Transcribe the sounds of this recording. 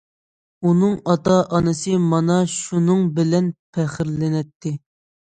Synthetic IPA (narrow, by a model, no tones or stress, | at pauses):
unɨŋɑt̪ɑʔɑnɨsɨmɑnɑʃunɨŋbɪlɛnpʰɛχɪɾlɪnɛt̪ʰːɪ